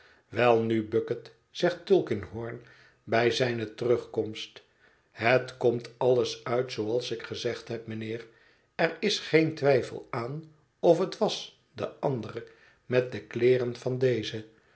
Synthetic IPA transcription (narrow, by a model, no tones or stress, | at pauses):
ʋɛlˠnybøkət | z̥ɛχttʏlˠkɪnɦɔːɹn | bɛjzɛjnətərɵχkɔmst | hətkɔmtɑlˠəsœɥtsowɑlˠsɪkχəzɛχtɦɛp̚mənɪːr | ɛrɪsχejntʋɛjfə̰lˠaːn | ɔfɦətʋɑs | də̰ʔɑndərə | mɛt̚dəklɪːrənvɑndejzə